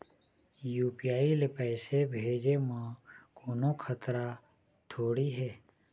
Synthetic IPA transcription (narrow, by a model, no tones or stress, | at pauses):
juːpijaːilepɛːsebʱeːd͡ʒemãːkoːnõkʰət̪ɾa | t̪ʰoːɽiɦɛː